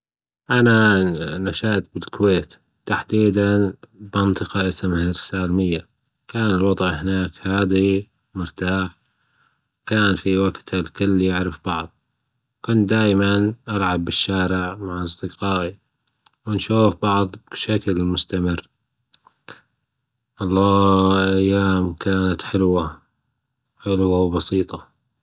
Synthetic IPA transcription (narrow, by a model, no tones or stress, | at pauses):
ʔananaʃaːt̪̚bɪlkweːt̪ | t̪aħd̪iːd̪anbɑnt̪ˤɨqɑʔasmhasːaːlmɪjːa | kaːnɪlwɑd̪ˤʔhɪnaːkhaːði | mʊɾt̪aːħ | kaːnfiwaɡt̪halkʊlːijaʕɾɪfbɑʕðˤ | kʊnt̪d̪aːjmanʔalʕabːɪʃːaːɾɪʕmaʕʔɑsˤd̪ɪqɑːʔi | wɪnʃuːfbɑʕðˤbʃaklmʊst̪amɪr | ʔɑlˤːɑːʔajːaːmkʰaːnat̪ħʊlwa | ħʊlwawbɑsiːt̪ˤɑ